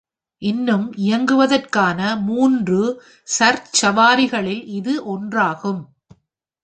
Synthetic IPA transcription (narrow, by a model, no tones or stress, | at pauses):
ʔɪnːɯmɪjɐŋɡɯʋɐðɐrkaːnɐmuːndrɯ | sɐɾt͡ʃɐʋaːɾɪɣɐɭɪlɪðɯʔɔndraːɣɯm